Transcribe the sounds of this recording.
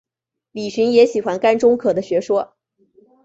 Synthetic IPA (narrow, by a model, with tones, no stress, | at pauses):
li˨˩ɕi˧˥ŋjɛ˧˥ɕi˨˩xwa˧nka˥nʈ͡ʂʊ˥ŋkʰɤ˨˩d̪ə˦ɕɥɛ˧˥ʂwɔ˥